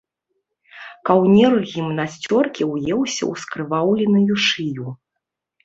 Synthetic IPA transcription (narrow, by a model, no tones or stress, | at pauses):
kawnʲirɣʲimnasʲt͡sʲɔrkʲiwjɛwsʲɐ̰wskɾɨvawlʲinujuʂɨju